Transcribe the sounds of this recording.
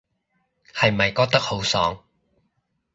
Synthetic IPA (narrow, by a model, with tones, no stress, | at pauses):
hɐ˨jmɐ˨jkɔː˧k̚t̪ɐ˥k̚ho˨˥wsɔ̰ː˨˥ŋ